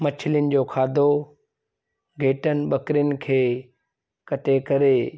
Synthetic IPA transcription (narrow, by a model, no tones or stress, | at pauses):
mɐt͡ɕʰɪljənɪ̆d͡ʑoːkʰaːd̪ʱo | ɡʱeːʈənɪ̆ɓɐkɾɪjənɪ̆kʰeː | kɐʈekɐɾeː